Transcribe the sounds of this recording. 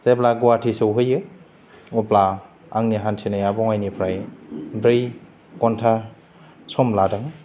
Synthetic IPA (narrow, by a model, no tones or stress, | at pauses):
zeplaɡuwatʰisɯwɦɯjːɯ | upla | aŋniɦantʰinajabɔŋajnipʰɾajbɾij | kɔntʰa | somladaŋ